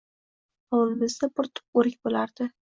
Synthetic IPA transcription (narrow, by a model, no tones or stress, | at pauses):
ɒwlˠɪmɪzd̪apʊɾt̪ʰʊ̥p̚oɾɪkʲbolaɾd̪̥ɪ